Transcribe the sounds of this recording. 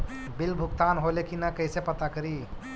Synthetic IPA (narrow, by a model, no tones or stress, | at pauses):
bilbʱukt̪anɦolekinakəjsepət̪akəɾi